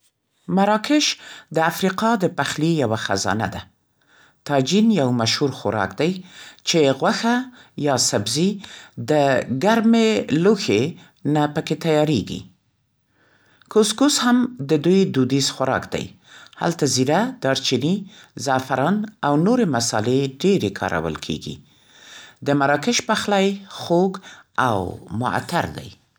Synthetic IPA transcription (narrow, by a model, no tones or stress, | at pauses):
maɾɑkɪʃd̪əafɾiqɑd̪əpaxlijawaxa̰zɑ̰na̰d̪a | t̪ɑd͡ʒinjawmaʃhuɾxʊ̰ɾɑ̰kd̪ajt͡ʃeɣwaxajɑsabzid̪əɡaɾmeluxe | napəket̪ajɑɾeɡḭ | koskushamd̪əd̪ujd̪ud̪izxaɾɑ̰kd̪a̰j | ha̰lt̪aziɾad̪̥ɑɾt͡ʃinizɑfaɾɑnawnoɾemasɑ̰leɖeɾekʰɑ̰ɾʔa̰wə̰lkʰḛɡḭ | d̪əmaɾɑkɪʃpaxlajxoɡa̰wmʊ̰a̰t̪a̰ɾd̪a̰j